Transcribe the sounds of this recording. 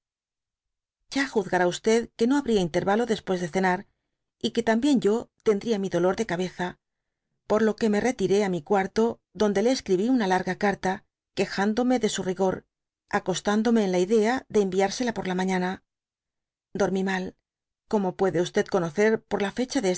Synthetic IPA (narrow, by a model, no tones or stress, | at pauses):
ʝ̥axuðɣaɾaust̪e̞ðke̞no̞aβɾiaint̪e̞ɾβalo̞ðe̞spwe̞zðe̞θe̞naɾ | ike̞t̪ambje̞nʝo̞t̪e̞nd̪ɾiamiðo̞lo̞ɾðe̞kaβe̞θa | po̞ɾlo̞ke̞me̞re̞t̪iɾe̞amikwaɾt̪o̞ | ðo̞nd̪e̞leːskɾiβiunalaɾɣakaɾt̪a | ke̞xand̪o̞me̞ðe̞suriɣo̞ɾ | ako̞st̪and̪o̞me̞ːnlaiðe̞aðe̞ːmbiaɾse̞lapo̞ɾlamãɲana | d̪o̞ɾmimal | ko̞mo̞pwe̞ðe̞ust̪e̞ðko̞no̞θe̞ɾpo̞ɾlafe̞t͡ʃaðes